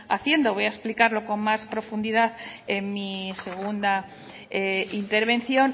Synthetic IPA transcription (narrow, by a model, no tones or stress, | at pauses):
aθje̞nd̪oβ̞o̞jaesplikaɾlo̞ko̞ŋmaspɾo̞fund̪iðaθenmise̞ɣ̞und̪a | eint̪e̞ɾβe̞n̟θjo̞n